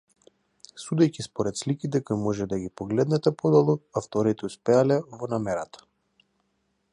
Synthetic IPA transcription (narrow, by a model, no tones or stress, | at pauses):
sud̪ɛjcʲispɔɾɛt̪slikit̪ɛkojmɔʒɛd̪aɡʲipɔɡlɛd̪nɛt̪ɛpɔd̪ɔlˠuaft̪ɔɾit̪ɛuspɛalɛvɔnamɛɾat̪ḁ